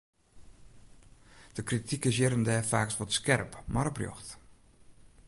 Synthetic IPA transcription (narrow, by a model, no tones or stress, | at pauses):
d̥əkritʰikɪs̬jɪɾəndɛːfaːksʋɔtskɛrpmarbrjɔ̰xt